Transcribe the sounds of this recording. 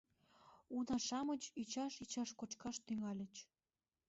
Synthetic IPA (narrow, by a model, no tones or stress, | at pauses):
unɑʃɑmət͡ɕyt͡ɕɑʃit͡ɕɑʃkot͡ɕkɑʃt̪yŋɑlʲə̆t͡ɕ